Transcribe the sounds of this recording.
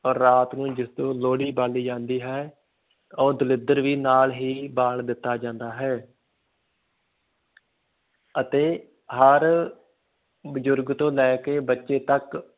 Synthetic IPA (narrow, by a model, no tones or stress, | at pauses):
ɔːɾːaːt̪nũːd͡ʒɪst̪õːloːɽiːbaːliːd͡ʒãːnd̪iːɦɛː | ɔːd̪əlɪd̪əɾʋiːnaːlɦiːbaːɳd̪ɪt̪ːaːd͡ʒãːnd̪aːɦɛː | ət̪eː | ɦəɾ | bəzʊɾɡt̪õːlɛːkeːbətːʃeːt̪ək